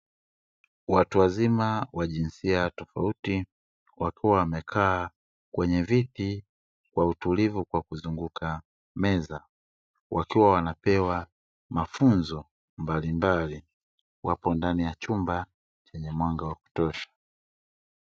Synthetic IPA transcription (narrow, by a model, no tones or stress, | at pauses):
watuwazimawaʄinsiatɔfauti | wakiwawamɛkʰaː | kwɛɲɛviti | kwautulivukwakuzuŋɡukʰa | mɛza | wakiwawanapɛwa | mafunzɔ | mbalimbali | wʔapɔndanijat͡ʃumba | t͡ʃɛɲɛmwaŋɡawaku̥tɔʃḁ